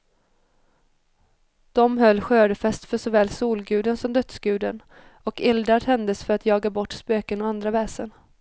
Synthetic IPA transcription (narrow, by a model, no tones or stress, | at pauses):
d̪̥ɔmɦœlːɧøːɖəfɛst̪fœʂɔvɛːlsuːlɡʉ̟ːd̪ənsɔmd̪œt̪sɡʉ̟ːd̪ən | ɔkɪld̪ɾaɾt̪ʰɛnd̪əsfœɾat̪jɑːɡabɔʈːspøːkənɔand̪ɾavɛːsən